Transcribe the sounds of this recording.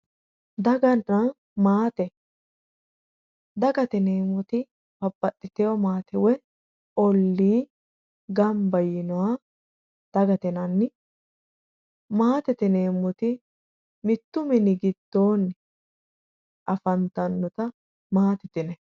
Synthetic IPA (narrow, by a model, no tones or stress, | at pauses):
d̪ɐɡɐnɐ | maːt̪ɛ | d̪ɐɡɐt̪ɛneːmːɔt̪ɪ | bɐbːɐt̪ʼːɪt̪ɛjɔmaːt̪ɛwɛ | ɔlːiː | ɡɐmbɐjɪnɔwa | d̪̥ɐɡɐt̪ɛnɐnːɪ | maːt̪ɛt̪ɛneːmːʊt̪ɪ | mɪt̪ːʊmɪnɪɡɪd̪̥ːoːn | ʔɐfɐnt̪ɐnːɔt̪ɐ | maːt̪ɪt̪ɪnɛ